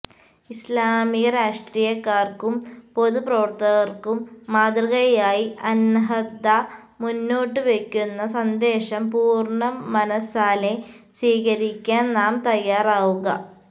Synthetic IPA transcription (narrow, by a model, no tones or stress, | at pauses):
islaːmiɣɐɾaːʂʈriːjɐkːaːrkumpo̞ðuprɐʋɐrt̪ɐɣɐrkumːaːd̪rɐɣɐjaːjiʔɐnɦɐd̪a | munːo̞ːʈːɨʋe̞kʲːunːɐsɐnd̪e̞ːɕɐmpuːrɳɐːɐnɐsaːle | swiːɣɐɾikʲːaːnnaːmt̪ɐjːaːraːʋuɣɐ